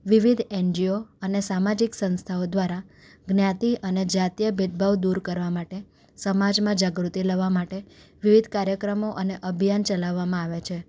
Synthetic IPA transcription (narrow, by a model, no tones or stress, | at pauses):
ʋiʋid̪ʱeɲd͡ʒijoənesamad͡ʒiksə̃nst̪ʰaod̪ʋaɾaɡnjãt̪iʔəned͡ʒat̪ijəbʱid̪̚bʱaʋd̪uɾkəɾʋamaʈe | səmad͡ʒmãd͡ʒaɡɾut̪iləʋamaʈeʋiʋid̪ʱkaɾjəkɾəmoʔəneʔəbʱjant͡ʃəlaʋːamãaʋet͡ʃʰe